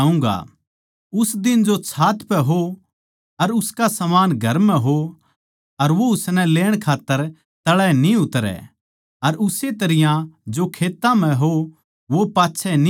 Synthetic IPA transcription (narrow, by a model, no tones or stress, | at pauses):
ũ̆ːɡa̰ | ʊsd̪ɪnd͡ʒot͡ʃʰaːt̪pɛɦo | ɐɾʊskasɐmaːnɡʱɐɾmɛ̃ɦo | ɐɾʋoʊsnɛ̃leːɽ̃kʰaːt̪ːəɾ | t̪ɐɭɛnĩʊt̪ɾɛ̰ | ɐɾʊset̪ɐɾɪjãd͡ʒokʰeːt̪ːãm̤ɛ̃ɦo | ʋopaːtːʃʰɛn